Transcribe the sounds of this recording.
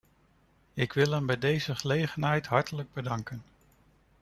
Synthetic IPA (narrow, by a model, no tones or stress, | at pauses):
ɪkʋɪlˠɦɛmbɛjdejzəχəlejχənɦɛjtɦɑɹtələɡ̚bədɑŋkən